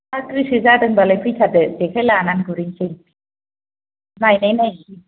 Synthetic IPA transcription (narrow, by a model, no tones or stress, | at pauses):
akɾisɯzadɯŋbalajkʰɯjtʰadɯzekʰajlananɡɯɾiŋsʰeŋ | majnajnaji